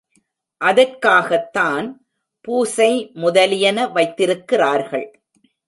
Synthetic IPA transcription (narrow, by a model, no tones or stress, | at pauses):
ʔɐðɐrkaːɣɐt̪ːaːn | puːsɐɪmʊðɐlɪjɐnɐʋɐɪt̪ːɪɾɯkːɪraːɾɣɐɭ